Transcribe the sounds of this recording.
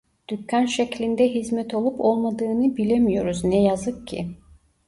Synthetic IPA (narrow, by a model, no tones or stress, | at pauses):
d̪̥ycʰːænʃeclʲind̪ɛɦizmɛt̪ʰo̞lˠupʰo̞lˠmad̪ɯːnɯbilʲemijo̞ɾuznɛjazɯkcʰːḭ